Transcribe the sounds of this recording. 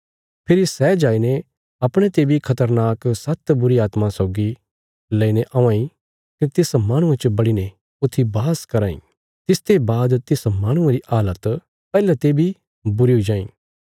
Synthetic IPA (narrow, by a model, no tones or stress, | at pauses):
pʰɪɾisɛːd͡ʒaːine | ɐpɽ̃ẽt̪eːbʱikʰɐt̪əɾnaːksɐt̪bʊɾiaːt̪masɔːɡi | lɛːineʔɐ̃ʋãːĩ | kit̪ɪsmaːɽ̃ʊ̃ẽt͡ʃəbɐɽine | ʊt̪ʰːibaːskɐɾaːḭ̃ | t̪ɪst̪ʰebaːd̪t̪ɪsmaːɽ̃ʊ̃ẽɾiʔaːlət̪ | pɛːlɛt̪eːbʱi | bʊɾiɦuid͡ʒaːḭ̃ː